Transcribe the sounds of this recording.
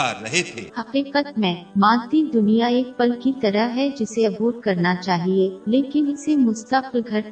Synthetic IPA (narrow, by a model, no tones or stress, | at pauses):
a̰ːɐ̰ɦet̪ʰḛːhɐqiːqət̪mẽmãːt̪id̪ʊnijaeːk̚pɐlkit̪ɐɾəɦɦɛd͡ʒɪseɐbuːɾkɐɾnat͡ʃaːɦieleːkɪnɪsemʊst̪əqlɡʱɐɾ